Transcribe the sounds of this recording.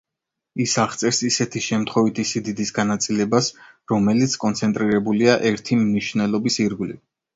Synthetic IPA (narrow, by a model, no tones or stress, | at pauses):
isaʁt̪sʼɛɾsisɛt̪ʰiʃɛmt̪ʰχɔvit̪ʰisid̪id̪isɡanat̪sʼilɛbas | ɾɔmɛlit̪sʰkʼɔnt̪sʰɛnt̪ʼɾiɾɛbuliaʔɛɾt̪ʰimniʃvnɛlˠɔbisiɾɡlḭ